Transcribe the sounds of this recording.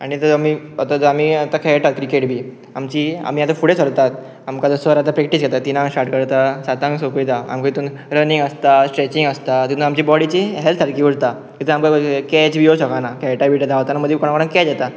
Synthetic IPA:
aɽ̃it̪əamiot̪ad͡zəamiːat̪akʰɛʈat̪̚kɾikeʈbʱiː | amt͡ɕiːa̰miːat̪afuɽesəɽt̪at̪̚ | amkad͡zəsəɾat̪apɾɛkʈisɡɛt̪at̪ːinãŋsʈaɾʈkəɾt̪asat̪ãŋsokit̪aa̰mkait̪uːn | ɾəniŋɡəst̪asʈɾɛt͡ɕiŋɡəst̪at̪it̪unamt͡ɕiːbɔɽit͡ɕiɦɛlt̪saɽkiːʋuɽt̪a | kit̪əamkakɛt͡ɕbioɕɔkanakʰaʈabiʈat̪aɦot̪anaməd̪ʱjekɔɽ̃ãkɔɽ̃ãŋkɛd͡ʑɛt̪a

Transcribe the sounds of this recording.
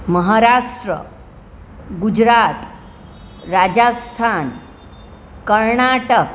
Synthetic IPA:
məɦaɾaʂʈɾə̰ | ɡud͡ʑɾat̪ | ɾad͡ʑast̪ʰan | kəɾɳaʈək

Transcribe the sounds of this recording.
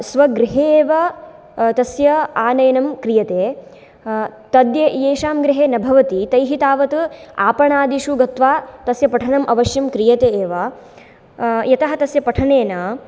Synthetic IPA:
sʋɐɡɾɪɦeːʋɐ | t̪ɐsjɐaːnɐjɐnɐmkɾijɐt̪eː | t̪ɐd̪jɐjeːʃaːmɡɾɪɦeːnɐbʱɐʋɐt̪it̪ɐjɦit̪aːʋɐt̪ua̰ːpɐɳaːd̪iʃuɡɐt̪ʋaːt̪ɐsjɐpɐʈʰɐnɐmʔɐʋɐʃjɐmkɾijɐt̪eːeːʋaː | jɐt̪ɐɦɐ̆t̪ɐsjɐpɐʈʰɐneːnaː

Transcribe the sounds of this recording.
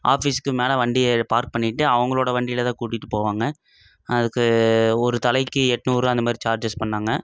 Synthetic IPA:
ʔa̰ːfiːsɯ̥kːɯmeːlɐʋɐɳɖɪɛpaːɾk̚pɐɳːɪʈːɯɐʋɐŋɡɐɭoːɽɐʋɐɳɖɪlɐt̪ãːkuːʈːɪʈːɯpoːʋaːŋɡɐ | ɐðɯkːɯɔɾɯt̪ɐlɐɪkːɯɛʈːnuːɾãːɐnd̪ɐmaːd̪ɾit͡ʃaːɾd͡ʒɐspɐɳːaːŋɡɐ

